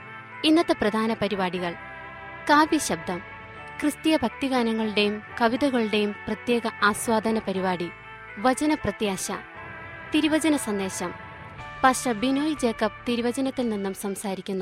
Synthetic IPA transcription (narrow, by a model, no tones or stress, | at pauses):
inːɐt̪ːɐprɐd̪ʱaːnɐpɐɾibaːɽiɣɐɭ | kaːbiɕɐb̚d̪ʱɐm | krɨst̪ijɐbʱɐk̚t̪iɣaːnɐŋːɐɭɨɽe̞jumkɐʋiðɐɣɐɭɨɽe̞jumprɐt̪je̞ːɣɐʔaːswaːd̪ʱɐnɐpɐɾibaːɽi | ʋɐt͡ɕɐnɐprɐt̪jaːɕɐ̰ | t̪iɾuʋɐd͡ʑɐnɐsɐnd̪e̞ːɕɐm | pɐkʂebinoːjd͡ʑe̞ːkːɐb̚t̪iɾuʋɐd͡ʑɐnɐt̪ːilninːumsɐmsaːɾikʲːunːu